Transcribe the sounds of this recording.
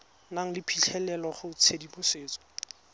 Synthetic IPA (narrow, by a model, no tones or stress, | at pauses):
naŋ̩lɪpʰiɬʰɛlɛlɔχʊʊt͡sʰedibʊseːt͡sɔ̥